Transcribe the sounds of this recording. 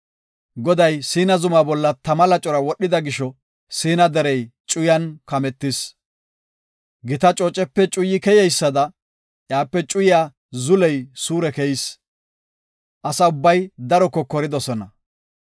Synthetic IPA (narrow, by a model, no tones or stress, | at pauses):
ɡɔd̪ɐjsiːnɐzʊmaːbɔlːɐt̪ɐmɐlɐt͡ʃʼɔɾɐwɔɗɪd̪ɐɡɪʃɔ | siːnɐd̪ɛɾɛjt͡ʃʼʊjɐnkɐmɛt̪ːɪs | ɡɪt̪ɐt͡ʃʼoːt͡ʃʼɛpːɛt͡ʃʼʊjːɪkɛjɛjsːɐd̪ɐ | ʔjaːpːɛt͡ʃʼʊjɪjaː | zʊlɛjsuːɾɛkɛjɪs | ʔɐsɐʊbːɐjd̪ɐɾɔkːɔkɔɾɪd̪ɔsɔnɐ